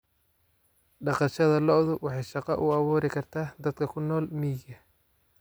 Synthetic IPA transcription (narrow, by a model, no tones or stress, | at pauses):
ɖɑqɑʃɐðɐlɔʔðʊwɑħɑjʃɑqɑʔʊ̰ɑβuːɾɪkʰɐrt̪ʰaːd̪ɐd̪kʰɐkʰʊnːɔːlmiːɡɐ